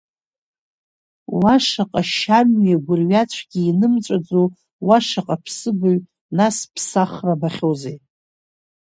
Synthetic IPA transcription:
waʂaqʼaʃamɥaɡʷʊrɥat͡ɕʷʰɡʲiːnɨmt͡ʃʷʼad͡zo | waʂaqʼapʰsɨbaɥ | naspʰsaχrabaχʲozej

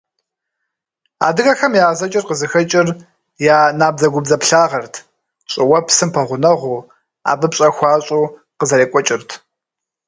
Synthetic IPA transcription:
a̰ːdɨɣɐxɐmjaːzɐt͡ʃʼɪrqəzɨxɐt͡ʃʼɪr | jaːnaːb̚zɐɡʷʊbzɐpɬaːʁɐrtʰ | ɕʼɪwɐpsɨmpʰɐʁʷʊnɐʁʷuː | a̰ːbɨpɕʼɐxʷɑːɕʼuː | qəzɐɾeːkʷʼɔt͡ʃʼɪrtʰ

